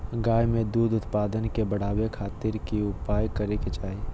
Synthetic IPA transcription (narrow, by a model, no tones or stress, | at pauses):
ɡaːjmẽd̪uːd̪ʊt̪paːd̪ənkebəɽ̤aːwekʰaːt̪ɪɾkiʊpaːjkəɾeket͡ʃaːɦi